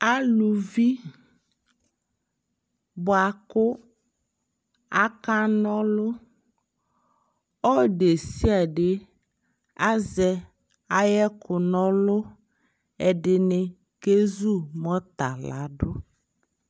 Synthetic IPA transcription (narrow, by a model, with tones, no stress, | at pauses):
a˦lu˨vi˦ | bʊ˨a˨kʊ˦ | a˦ka˦nɔ̃˦lʊ˦ | ɔ˦ɖe˨si˦a˨ɖɪ˦ | a˦zɛ˨ | a˦jɛ˦kʊ˨nɔ̃˦lʊ˦ | ɛ˨ɖɪ˨nɪ˨ | ke˦zu˦˨mɔ˦t̪a̰˨la̰˨ɖʊ˦